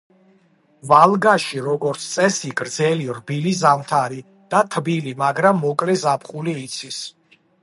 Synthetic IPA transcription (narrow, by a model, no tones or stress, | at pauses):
valˠɡaʃiɾɔɡɔɾt̪sʰt̪sʼɛsiɡɾd̪zɛliɾbilizamt̪ʰaɾi | d̪̥at̪ʰbilimaɡɾamːɔkʼlɛzapʰχuliːt̪sʰis